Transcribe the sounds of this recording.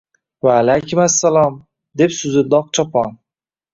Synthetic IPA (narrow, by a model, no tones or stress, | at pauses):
vaːlajkʰʊmasːalɒm | d̪e̞psʊzɪd̪ɒq̚t͡ʃʰɒpʰɒn